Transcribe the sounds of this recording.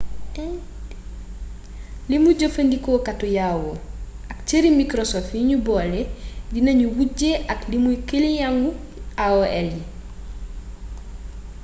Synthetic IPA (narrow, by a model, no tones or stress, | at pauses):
limuɟofɐndikɔkatːujawo | ɐkcəɾimikɾosɔfjiɲubɔːlɛdinɐɲuwuɟeʔɐklimujkelijaŋɡu | aoɛli